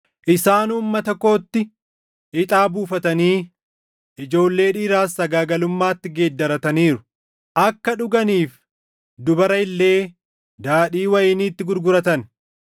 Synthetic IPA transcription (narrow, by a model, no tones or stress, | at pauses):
ʔɪsaːnuːmːɐt̪ɐko̞ːt̪ːɪ | ɪt̪ʼaːbuːfɐt̪ɐniː | ɪd͡ʒo̞ːlːe̞ːᶑiːɾaːsːɐɡaːɡɐlʊmːaːt̪ːɪɡe̞ːd̪ːɐɾɐt̪ɐniːɾʊ̥ | ʔɐkːɐᶑʊɡɐniːf | d̪ʊbɐɾɐɪlːe̞ː | d̪aːɗiːwɐjɪniːt̪ːɪɡʊɾɡʊɾɐt̪ɐn